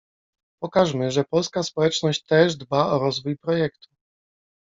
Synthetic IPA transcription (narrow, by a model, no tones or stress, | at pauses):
pɔkaʐmɘʐɛpɔlskaspɔwɛt͡ʂnɔɕt͡ɕt̪ɛʐd̪baʔɔɾɔzvujpɾɔjɛkt̪u̥